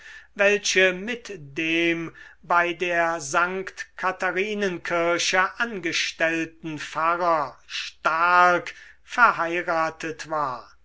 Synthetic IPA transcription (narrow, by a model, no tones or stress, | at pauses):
vɛlʃəmɪtdeːmbaɪdeːɐzaŋkktkʰataʁiːnənkʰɪɐʃəʔanɡəʃtɛltn̩faʁɐʃtaɐkfɛɐhaɪʁaːtʰətv̥aːɐ